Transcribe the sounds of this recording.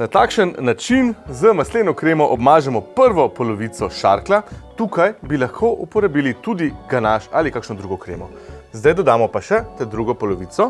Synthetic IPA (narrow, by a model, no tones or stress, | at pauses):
nat̪aːkʃənːat͡ʃinzəmasleːnɔkɾeːmɔʔɔbmaːʒɛmɔpəɾʋɔpɔlɔʋit̪sɔʃa̰ːɾklat̪uːkajbilaxkʰoʔupɔɾabiːlit̪ud̪iɡanaʃalikaːkʃnɔd̪ɾuːɡɔkɾḛːmɔ | zd̪ajd̪ɔd̪aːmɔpaʃɛt̪ɛd̪ɾuɡɔpɔlɔʋiːt̪sɔ